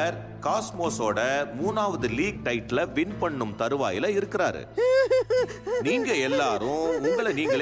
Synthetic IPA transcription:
ɐɾ | kaːsmoːsoːɽɐmuːnaːʋɐðɯliːk̚ʈɐɪʈːlɐʋɪnpɐɳːɯmt̪ɐɾɯʋa̰ːjɪlɐɪɾɯkːɪɾaːɾɯ̰ | niːŋɡɐɛlːaːɾʊ̃ʊŋɡɐɭɐniːŋɡɐɭ

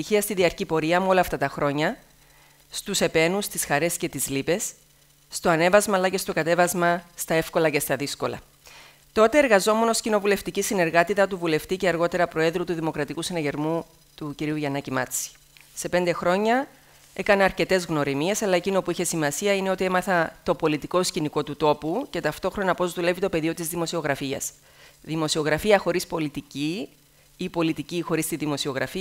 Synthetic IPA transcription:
içiɐst̪iðiɐɾcipo̞ɾiɐmuo̞lɐːft̪ɐt̪ɐxɾo̞ɲɐ | st̪use̞pe̞nust̪isxɐɾe̞sce̞t̪izlipe̞sː | t̪o̞ɐne̞vɐzmɐːlːɐce̞st̪o̞kɐt̪e̞vɐzmɐst̪ɐe̞fko̞lɐce̞st̪ɐðisko̞lɐ̰ | t̪o̞t̪e̞ːɾɣɐzo̞me̞no̞scino̞vule̞ft̪icisine̞ɾɣɐt̪it̪ɐt̪uvule̞ft̪ice̞ɐɾɣo̞t̪e̞ɾɐpɾo̞e̞ðɾut̪uðimo̞kɾɐt̪ikusinɐʝe̞ɾmu | t̪uciɾiuʝɐnɐcimɐ̰t͡si̥ | se̞pe̞nd̪exɾo̞ɲɐ | e̞kɐneɐɾce̞t̪e̞zɣno̞ɾimie̞sɐlɐe̞cino̞puiçe̞simɐsiɐine̞o̞t̪ie̞mɐθɐt̪o̞po̞lit̪iko̞sciniko̞t̪ut̪o̞puce̞t̪ɐft̪o̞xɾo̞nɐpo̞zðule̞vit̪o̞pe̞ðio̞t̪izðimo̞sio̞ɣɾɐfiɐ̰s | ðimo̞sio̞ɣɾɐfiɐxo̞ɾispo̞lit̪ici | ipo̞lit̪icixo̞ɾist̪iðimo̞sio̞ɣɾɐfi

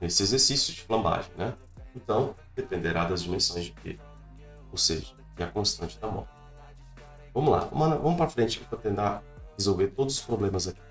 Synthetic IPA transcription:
nesɪezeɾsisjʊd͡ʒɪflɐ̃mba̰ʒẽj̃nɛ | ẽnt̪ɐ̃w̃d̪epẽnd̪eɾad̪ɐzd͡ʒimẽsõj̃zd͡ʒɪpḛd | owsḛʒɐ | ɪɐkõst̪ɐ̃nt͡ʃɪd̪ɐmɔ̰ɾt͡ʃɪ̥ | vɐ̃mʊla̰vɐ̰̃mɐnɐvɐ̃mʊpɾɐfɾẽnt͡ʃɪfot̪ẽnt̪ahezowveɾt̪od̪ʊzʊspɾoblẽmɐzaki̥

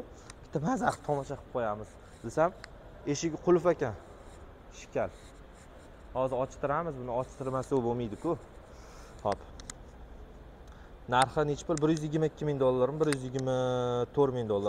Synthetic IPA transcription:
kʲʰɪ̥t̪ʰamazaχt̪ʰɒmɒʃaqʰɨ̥p̚qʰojamɪz̥ | d̪esam | e̞ʃɪɡʲɪqʰʊlˠʊfakʲan | ʃɪ̥kʲʰal | hɒzɪɾɒt͡ʃʰɪ̥t̪ɪɾamɪzbʊnɪɒt͡ʃt̪ʰɪɾmasowbomijd̪ɪkʰʊ | hɒp | naɾχanet͡ʃpɪɾbɪɾjʏzjɪɡʲɪɾmaɪkʲːɪmɪŋd̪olˠːaɾmbɪɾjyzjɪɡʲɪɾmat̪ʰoɾmɪŋd̪olˠːaɾ

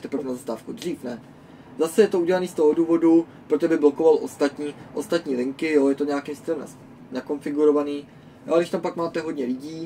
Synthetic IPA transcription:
t̪ɛpɾfnazast̪aːfkud̪r̝iːfnɛ | zasɛjɛt̪ouɟɛlaniːst̪o̞ɦo̞duːvo̞dupɾot̪obɪblo̞ko̞valʔo̞st̪at̪ɲiːʔo̞st̪at̪ɲiːlɪŋkɪjo̞jɛt̪oɲeakimst̪ɪlɛmn | nako̞nfɪɡuɾo̞vaniː | joaɡnɪʃt̪ampakmaːt̪ɛɦo̞dɲɛlɪɟiː

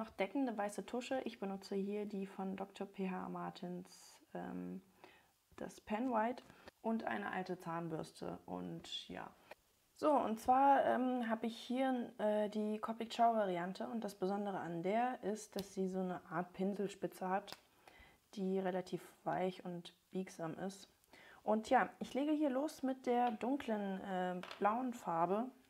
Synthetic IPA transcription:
nɔχd̥ɛkn̩dəvaɪsətʰʊʃəʔɪçb̥ənʊt͡səhiːɐdiːfɔndɔktʰoɐpʰeːɦa̰maɐtʰɪnsʔɛ̰ːm | d̥a̰spʰɛnwaɪtʔʊntʔa̰ɪnəʔa̰ltət͡saːnbʏɐstʰə̰ʔʊ̰ntja̰ː | z̥oːʊ̰ntt͡sv̥aːɐʔɛːmɦaːbəɪçhiːɐɛːdiːkʰɔpɪkʃaʊvaʁiantʰəʊnt̚d̥asb̥əzɔndəʁ̞əandeːɐʔɪst̚d̥asz̥iːzoːnəʔaːɐt̚pʰɪnzl̩ʃpɪt͡səhat | d̥iːʁelatʰiːfv̥aɪçʊntb̥iːkz̥aːmɪ̰st | ʔʊntʰjaːʔɪçleːɡəhiːɐloːsmɪt̚d̥eːɐdʊŋklənʔɛːb̥laʊənfaɐbə

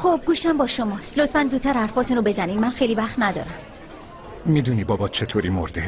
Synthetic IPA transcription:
xob̚ɡuːʃæmbɒːʃomɒːst̪lot̪ʰfænd̪zuːt̪ʰːæɾhæɾfɒːt̪ʰunɾobe̞zæniːmmænxejliːvæχt̪næd̪ɒ̰ːɾæm | miːd̪uniːbɒbɒːt͡ʃʰet̪ʰoːɾimoɾd̪e

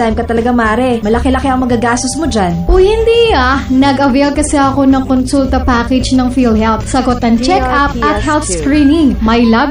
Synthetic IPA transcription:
ajmkɐt̪ɐlɐɡamaːɾɛmɐlɐkɛlɐkɛɐŋmɐɡaɡaːst̪osmod͡ʒanʔohɪnd̪iːanɐɡʔɐvejlkɐsɛʔɐko̞nɐŋkonsult̪ɐpaːkɛd͡ʒnɐŋfilhɛlpsɐɡo̞t̪ɐŋt͡ʃɛkʔap̚ʔɐt̚hɛlpskɾiːnɪŋmɐjlɐb

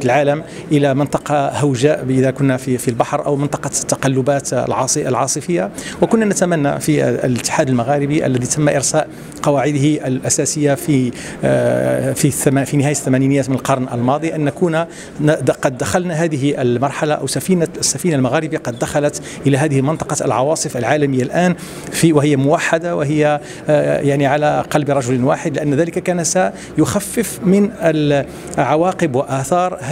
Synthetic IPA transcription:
lʕaːləm | ʔəlamɪnt̪ˤɑqɑhawʒæʔʔɪðækʊnːafifilbɑħɾˤʔəwmɪnt̪ˤɑqɑt̪ːɑqɑlːʊbæt̪lʕɑsˤʔəlʕɑsˤəfəjːawəkʊnːanæt̪æmænːa̰filət̪ːɪ̥ħaːd̪əlmaɣæːɾɪbiʔə̰lːæd̪it̪ʰæmːaʔɪɾsæːʔ | qɑwaʕɪd̪hiʔlʔæsæsəjːafi | fifinɪhæːjaθːæmæniːnjːæːt̪mɪnəlqɑɾˤnʔə̰lmɑd̪ˤiʔənːækun | qɑd̪ːaxalnaɦæːd̪ɪɦʔəlmɑɾˤħalaʔa̰wsæfiːnasːafiːnalmaɣæɾɪbqɑd̪ːaxalat̪ | ʔɪlæɦæːd̪ɪhəlmɪnt̪ˤɑ̥qɑə̰lʕɑwɑːsˤɨfəlʕaːlæməjːalʔæːn | fiwɪhɪjːamʊwaħːad̪awɪɦɪjːa | jaʕniʕalaqɑlbɾˤɑʒʊlwa̰ːħɪd̪lɪʔænːðæːlɪkakæːnsa | jʊxæfːəfmɪnə | ʕawɑːqəbwaʔaθɑːɾˤ

